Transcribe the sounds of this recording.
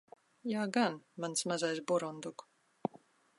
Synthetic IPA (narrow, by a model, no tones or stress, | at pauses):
jaːɡanmansmazajsbɔɾɔnd̪uk